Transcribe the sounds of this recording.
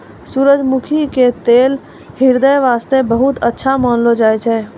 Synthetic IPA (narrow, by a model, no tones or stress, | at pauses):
suɾəd͡ʒmukʰiket̪eːl | hiɾd̪əjʋaːst̪ebəɦut̪ətːʃʰamanlod͡ʒaːjt͡ʃʰɛ